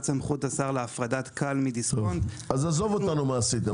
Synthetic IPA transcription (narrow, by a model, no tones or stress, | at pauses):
t͡samχutasaʁleafʁadatkʰalmidisontazazovot̪anumaːsit̪e